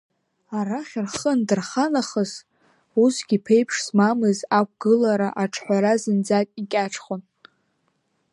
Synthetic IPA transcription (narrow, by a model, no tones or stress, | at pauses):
aɾaχʲɪrχəndɨrχanaχəz | usɡʲipʰejpʰʂsmamɨzak̚ʷʰɡ̥ɨlaɾaʔaʈ͡ʂʰħʷᶣaɾazɨnd͡zatʼikʲʼaʈ͡ʂʰʼχʷon